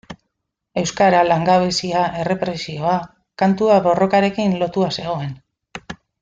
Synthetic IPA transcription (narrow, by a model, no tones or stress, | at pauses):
e̞wskaɾalaŋɡaβ̞esiaʔe̞re̞pɾe̞sio̞a | kant̪uaβo̞ro̞kaɾe̞kinlo̞t̪uase̞ɣ̞o̞e̞n